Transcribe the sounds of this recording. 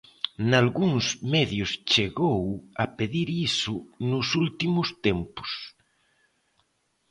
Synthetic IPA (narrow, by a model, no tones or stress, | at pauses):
nalɣuŋsmɛðjʊst͡ʃeɣowapeðiɾisʊnʊsult̪imʊst̪empʊ̥s